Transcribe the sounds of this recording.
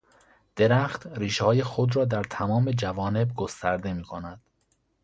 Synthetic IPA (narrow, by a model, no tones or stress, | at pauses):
d̪̥e̞ɾæxt̪riːʃehɒːjexod̪ɾɒːd̪æɾt̪ʰæmɒːme̞d͡ʒævɒːne̞b̚ɡost̪ʰæɾd̪e̞miːkʰo̞næd̪̥